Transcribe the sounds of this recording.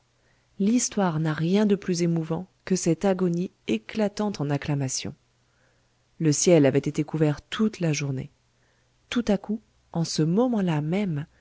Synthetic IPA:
list̪waʁnaʁjɛ̃d̪əplyzemuvɑ̃kəsɛt̪aɡɔnieklat̪ɑ̃t̪ɑ̃naklamasjɔ̰̃ | ləsjɛlavɛt̪et̪ekuvɛʁt̪ʰut̪laʒuʁnḛ | t̪ut̪aku | ɑ̃səmɔmɑ̃lamɛm

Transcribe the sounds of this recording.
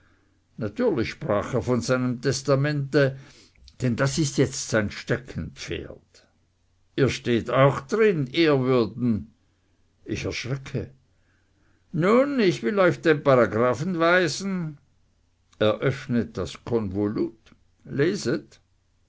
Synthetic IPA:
natyːɐlɪçʃpʁ̥a̰ːxeːɐfɔnzaɪnəmtʰɛstamɛntə | d̥ɛndasɪstjɛt͡stz̥aɪnʃtɛkʰən̩pp͡fḛːɐt | ʔiːɐʃteːtaʊxd̥ʁɪniːɐvʏɐdn̩ | ʔɪçɛɐʃʁ̥ɛkʰə | nuːnɪçv̥ɪlɔʏçd̥eːnpaʁaɡʁaːfn̩vaɪzn̩ | ɛːɐʔœfnət̚d̥askʰɔnvolut | leːzət

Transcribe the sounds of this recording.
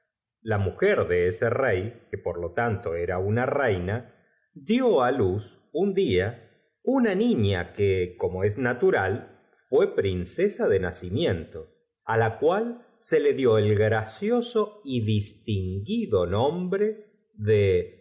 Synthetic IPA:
lamuxeɾðe̞eserejke̞po̞ɾlo̞t̪ant̪o̞eɾaunarejna | ðjoalus | und̪ia | unanĩɲa̰keko̞mo̞e̞znat̪uɾal | fwe̞pɾinsesaðe̞nasimjẽ̞nt̪o̞ | alakwal | se̞le̞ðjo̞elɣɾasjo̞so̞iðist̪iŋɡiðo̞nõmbɾe | ðe

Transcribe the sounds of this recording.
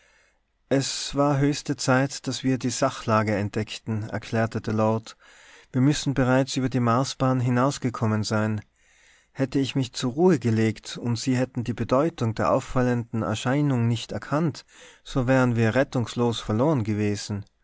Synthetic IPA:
ʔɛsv̥aːɐɦøːçstət͡saɪtd̥asv̥iːɐdiːz̥aχlaːɡəɛnt̚d̥ɛktn̩ɛ̰ɐkʰl̥ɛːɐtədəlɔɐt | v̥iːɐmʏsn̩bəʁaɪt͡sʔyːbɐdiːmaːsb̥aːnɦɪnaʊsɡ̥əkʰɔmənzaɪn | hɛtəɪçmɪçt͡suʁuːəɡəleːktʊntz̥iːɦɛtn̩diːbədɔʏtʊŋdeːɐʔaʊffaləndn̩ɛ̰ɐʃaɪnʊŋnɪçtɛɐkʰantz̥oːvɛːʁ̞ənviːɐʁɛtʊŋsloːsfɛɐloːʁənɡəveːzn̩

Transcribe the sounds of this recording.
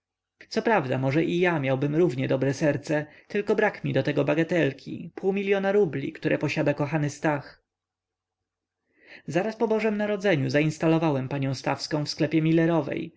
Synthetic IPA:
sɔpɾavd̪amɔʐɛʔijamʲjawbɘmɾuvɲɛd̪ɔbɾɛsɛɾt̪sɛ | t̪ɘlkɔbɾakmʲid̪ɔt̪ɛɡɔbaɡat̪ɛlkʲʰḭpʰuwmʲilʲjɔnaɾublʲḭkt̪uɾʔɛpɔɕad̪akɔxanɘst̪ax | zaɾaspɔbɔʐɛmnaɾɔd̪zɛɲuzaĩnst̪alɔvawɛmpaɲɔ̃w̃st̪a̰fskɔ̃w̃fsklɛpʲjɛmʲilɛɾɔvɛ̰j

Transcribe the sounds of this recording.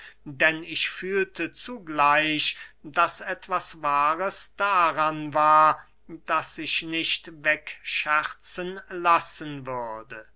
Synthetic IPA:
dɛnɪʃfyːltʰət͡suɡlaɪʃd̥asɛtv̥asvaːʁəsd̥aʁanvaːɐ | d̥asɪʃnɪʃtvɛkʃɛʁt͡sənlasənvʏʁdə

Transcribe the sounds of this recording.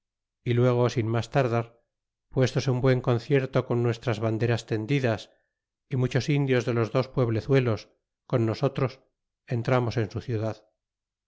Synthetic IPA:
ilwe̞ɣ̞osinmast̪aɾðaɾ | pwe̞st̪oseumbwe̞ŋko̞n̟θje̞ɾt̪o̞ko̞nːwe̞st̪ɾazβand̪e̞ɾast̪e̞nd̪iðas | imut͡ʃo̞sind̪jo̞zðe̞lo̞zðo̞spwe̞β̞le̞θwe̞lo̞s | ko̞nːo̞so̞t̪ɾo̞s | e̞nt̪ɾamo̞se̞nsuθjuðað

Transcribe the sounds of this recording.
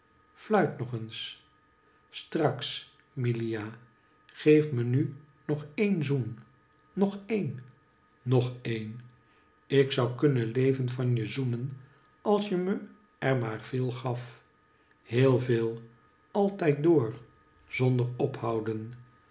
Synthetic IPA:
flœɥtnɔχəns | strɑks | milija | χejfməny | nɔχejnzun | nɔχejnː | ɔχejn | ɪksʌwkɵnənlejvənvɑnjəzunən | ɑlˠsjəmə | ʔɛɹmaːɹvɪːlˠχɑf | heːlˠveːlˠ | ɑlˠtɛjt̚doːɹ | z̥ɔndəɹɔphɑwdən

